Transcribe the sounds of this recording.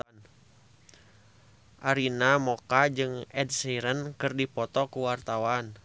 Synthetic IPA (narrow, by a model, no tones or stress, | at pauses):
ʔaɾinamɔkad͡ʒɨŋɛd̚siɾənkɨrdipɔt̪ɔkuwart̪awan